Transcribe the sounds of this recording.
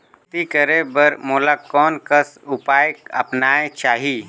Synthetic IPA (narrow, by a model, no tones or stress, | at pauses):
t̪ikəɾebəɾmoːlakɔːnkəsʊpaːjkɐ̰pnaːet͡ʃaːɦi